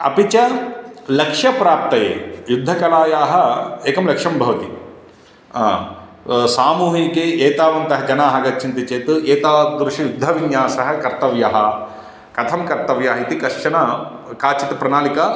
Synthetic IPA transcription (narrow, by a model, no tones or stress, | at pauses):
ɐ̰pit͡ʃɐlɐkʂjɐpɾaːp̚t̪ɐjḛːjud̪ʱːɐkɐlaːjaːɦɐ̆eːkɐmlɐkʂɐmbʱɐʋɐt̪i | saːmuːɦikeːeːt̪aːʋɐnt̪ɐɦɐd͡ʒɐnaːɦɐɡɐt͡ʃːt͡ʃint̪it͡ʃeːt̪uʔeːt̪aːd̪ɾuʃijud̪ʱːɐʋinjaːsɐɦɐkɐɾt̪ɐʋjɐɦɐ | kɐt̪ʰɐmkɐɾt̪ɐʋjaːɦɐit̪ikɐʂʃɐnɐkaːt͡ʃɐt̪ɐpɾɐnaːlikɐ